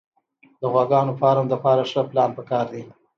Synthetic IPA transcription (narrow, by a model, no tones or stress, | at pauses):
d̪əɣwaɡɑnopɑɾamləpɑɾaʂəplɑnpəkɑɾd̪i